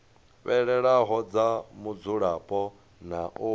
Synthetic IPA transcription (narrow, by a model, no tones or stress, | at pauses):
βɛɺɛɺaɦɔd͡zamud͡zuɺapʼɔ | naʔu